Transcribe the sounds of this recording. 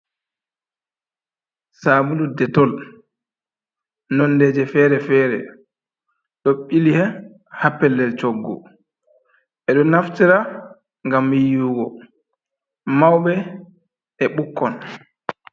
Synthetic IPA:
saːbuludɛtɔl | nɔnːdɛːd͡ʒɛfɛːɾɛfɛːɾɛ̰ | ɗoɓːilihɛ | hapːɛlːɛlt͡ʃoɡːɔ̰ | ɛɗɔnaftiɾa | ŋɡamijuːɡɔ | mawɓɛ | ɛɓukːɔn

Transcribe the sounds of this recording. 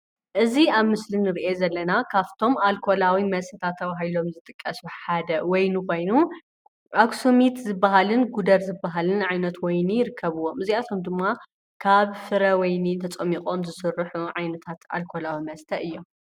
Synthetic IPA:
ʔɨziaβmɨslinɨɾiʔe̞zɐlːɐnakʰaft̪ʰo̞malkʰo̞lawimɐstʰɐt̪ʰat̪ʰːɐβaɦilo̞mzɨt̪ʼɨkʼːɐsuħad̪ɐwɔjnuko̞jnu | ʔaksumit̪zɨbːaɦalɨnɡud̪ɐɾzɨbːaɦalɨnʕajnɐt̪wɔjnijɪɾɨkʰːɐβɨwːomɨziat̪ʰo̞md̪ɨmːa | kʰaβfɨɾɐwɔjnit̪ʰɐt͡sʼɐmːikʼomzɨsɨrːɨħuʕajnɐt̪ʰat̪a̰lkʰo̞lawimɐst̪ʰɐʔɨjːo̞

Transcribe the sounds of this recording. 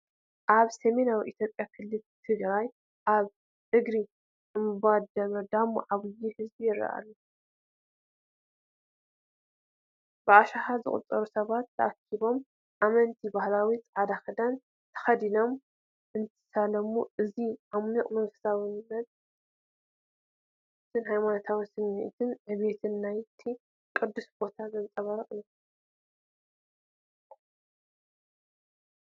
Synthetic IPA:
ʔaβsemenawiʔit̪jo̞pʼjakʰɨlːɨlt̪ʰɨɡɾaj | ʔaβ | t̪ɨɡɾi | ɨmɨbad̪ɐmɐd̪amːuʕaβɨjihɨzbijɪɾɐ̰ʔa̰lːu | baʔaʃahazɨ̰χʼṵt͡sʼɐɾusɐβat̪ʰːɐʔakʰːiβo̞m | ʔamɐnt̪ʰibahlawit͡s̪ʼʕad̪axɐd̪an | t̪ʰɐ̥xɐd̪ino̞m | ʔɨnt̪ʰɨ̥salɐmuʔɨziʔamniqʼmɨnfɨ̥sawɨnnːɐt̪ | t̪ʰɨnhajmano̞t̪ʰawisɨnːiʔt̪ʰɨnʕɨβet̪ʰɨnːajt̪ʰi | kʼɨd̪ːusbo̞t̪ʰazɐnt͡sʼɐβɐɾɐχʼɨju

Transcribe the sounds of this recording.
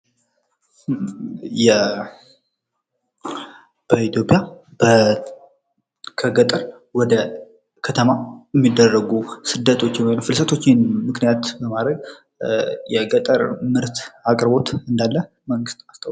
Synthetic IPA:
jɛ | b̥əit̪jo̞pʼjab̥ə | kʰəɡət̪ʼəɾ | wɔd̪ə | kʰət̪ʰəmajɛmːid̪ːərːəɡusɨd̪ːət̪ʰo̞t͡ʃːɪnwojnəwfɨlsət̪ʰo̞t͡ʃːɪnmɨknijat̪bəmad̪ɾəɡ | jɛɡət̪ʼəɾmɨɾt̪akʼɾɨbo̞t̪ɨnd̪alːə | məŋɡɨst̪ʼast̪ʰəw

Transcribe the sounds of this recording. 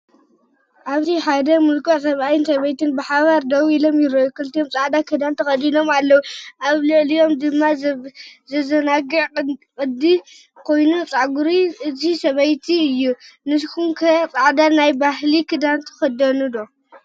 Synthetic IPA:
ʔaβt̪ʰiħad̪ɐmulkʼoʕsɐβajɨnsɐβɐjt̪ɨnbɨħaβaɾd̪ɐwilo̞mjɪɾɐjukʰɨlt̪ijomt͡sʼaʕd̪akʰɨd̪ant̪ʰɐxʼɐd̪ino̞malːɐwuʔaβlɨʔlijo̞md̪ɨmːa | zɐzɐnaɡɨʕkʼɨd̪i | kʰo̞jnut͡sʼaʕɡuɾiʔɨzisɐβɐjt̪ʰiɨjːunɨskʰumkʰɐt͡sʼaʕd̪anajbahlikʰɨd̪ant̪ʰɨ̥xɐd̪ɐnud̪o

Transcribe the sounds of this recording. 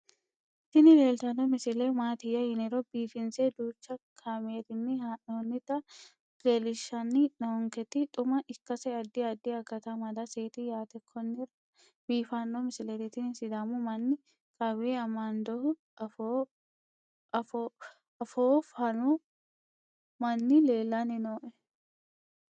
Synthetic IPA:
ɪt̪ɪnɪleːlt̪ɐnːɔmɪsɪlemaːt̪ɪjɐhɪnɪɾobiːfɪnseːd̪uːt͡ʃːɐkʰameːt̪ɪnːɪhaonːɪt̪ɐ | ɾelɪʃɐnːɪnɐɔŋkɛt̪ːɪt̪ʼʊmɐʔɪkːɐsɛɐd̪ːiɐd̪ːiɐkːɐt̪ɐmɐd̪ɐseːt̪ijaːt̪ɛkʰːɔnːɪrɐ | biːfɐnːɔmɪsɪlɛɾɪt̪ɪnsɪd̪amʊmɐnːɪ | kʼɐβeɐmand̪ɔhʊ | f | f | ɐfoːfɐnu | mɐnːɪle̞ːlːɐnɪnoːʔɛ

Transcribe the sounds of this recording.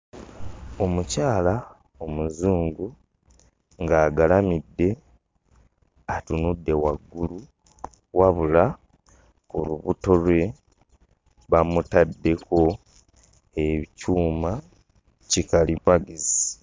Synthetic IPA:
o̞mucaːla | omuzuːŋɡu | ŋɡaːɡalamidːe̞ | atunudːe̞waɡːulu | waβula | kuɾuβuto̞lwe̞ | βamutadːe̞ko̞ | eβicuːma | cikalimaɡizi

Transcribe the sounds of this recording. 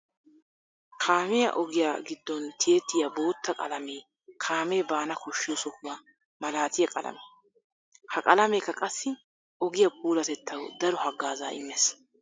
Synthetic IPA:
kʰaːmɪjɐ̰ʔɔɡɪjaɡɪd̪ːɔnt̪ʰɪeːt̪ːɪjɐbo̞ːt̪ːɐkʼɐ̰lɐmeː | kʰaːmeːbaːnɐkɔʃːɪjosɔkʊwa | mɐlaːt̪ɪjɐkʼɐ̰lɐ̰meː | hɐkʼɐlɐmeːkːɐkʼɐsːɪ | ɔɡɪjɐp̚ʰʼuːlɐt̪ɛt̪ʰːɐwd̪ɐɾɔhɐɡːaːza̰ːɪ̰mːes

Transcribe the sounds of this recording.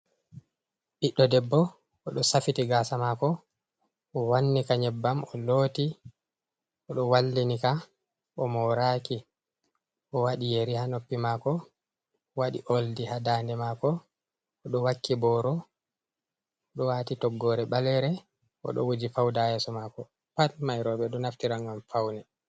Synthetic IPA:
ʔiɗːɔdɛbːɔ | ɔɗɔsafitiɡaːsamaːkɔ | ʔɔwanːikaɲɛbːamɔloːti | ɔɗɔwalːinika | ʔɔmɔɾaːki | ʔɔwaɗijeɾihanopːimaːkɔ | waɗḭʔoldihadaːndɛmakɔː | ɗɔwakːibɔːɾɔ | ɔɗɔwatitɔɡːɔɾɛɓalɛɾɛ | ʔɔ̰ɗɔ̰wod͡ʒifawdajɛsɔmakɔ | palmajɾɔɓɛɗɔnaftiɾaŋɡamfawnɛ

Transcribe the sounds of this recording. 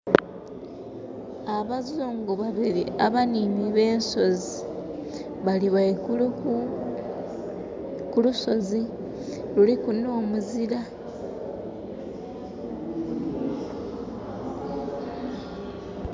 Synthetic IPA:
aβazuːŋɡoβaβiɾḭaβaniniβe̞ːnso̞zi | βaliβae | kuluso̞zi | lulikuno̞ːmuziɾa

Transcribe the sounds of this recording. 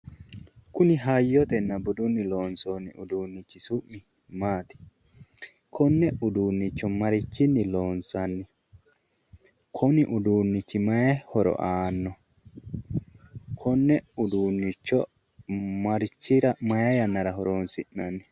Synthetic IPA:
kʊnɪɦɐjːɔt̪ɛnːɐbʊd̪ʊnːɪloːnsonːɪ̰ʊd̪uːnːɪt͡ʃːɪsʊʔːɪ | maːt̪ɛ̥ | kʰɔnːɛʊd̪uːnːɪt͡ʃːɔmɐɾɪt͡ʃːɪnːɪloːnsɐnːɪ | kʰɔnɪʔʊd̪uːnːɪt͡ʃːɪmɐjɐhɔɾɔ̰ʔaːnːɔ | kʰɔnːɛʊd̪uːnːɪt͡ʃːɔ | mɐɾɪt͡ʃːɪɾɐmɐjɐjɐnːɐɾɐɦɔɾoːnsɪnːɐnːɪ

